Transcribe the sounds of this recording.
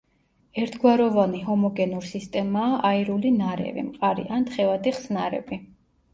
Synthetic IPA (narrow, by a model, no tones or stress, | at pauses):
ɛɾt̪ʰɡwaɾɔvaniɦɔmɔɡɛnuɾsist̪ʼɛmaːʔaiɾulinaɾɛ̰vḭmqʼaɾḭʔant̪χɛvad̪iχsnaɾɛ̰bi